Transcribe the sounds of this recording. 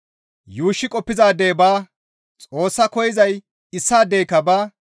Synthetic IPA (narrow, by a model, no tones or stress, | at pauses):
juːʃːɪkʼɔpːɪzaːd̪eːbaː | t͡sʼo̞ːsːɐkɔjɪzɐj | ɪsːaːd̪ejkɐbaː